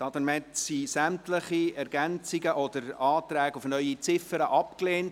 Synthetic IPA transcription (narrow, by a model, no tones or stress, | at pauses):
tɑt̪nmɛtsisæmtləχiɛɾɡænt͡sɪɡəʔɔd̥̪əɾɑːt̪ɾæːɡufnœʏit͡sɪfəɾəʔɑpkleːnt